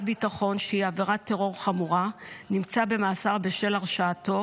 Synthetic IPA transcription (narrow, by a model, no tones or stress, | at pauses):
tbitaχo̞nʃeiaveʁat̪ːe̞ʁo̞ʁχamuʁanimt͡sabe̞maːsaʁbeʃe̞laʁʃaːto̞